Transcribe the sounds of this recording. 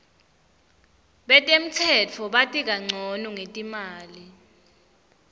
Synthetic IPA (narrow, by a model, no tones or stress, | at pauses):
ɓɛtʼem̩tʰɛt͡fʰɔɓatʼik̬aŋ͡ǀʱɔnuŋetʼimaːli